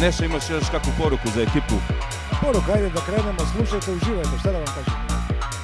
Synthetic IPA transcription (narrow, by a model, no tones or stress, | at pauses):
neʃt̪oimaʃjoʃt̪akʋupoɾukuzaekipu | poɾukaajd̪ed̪akɾeːnemaslˠuʃajt̪euʒiːʋajt̪eʃt̪ad̪aʋamkaːʒem